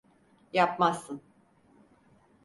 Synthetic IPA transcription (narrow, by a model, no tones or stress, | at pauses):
japmasːɯn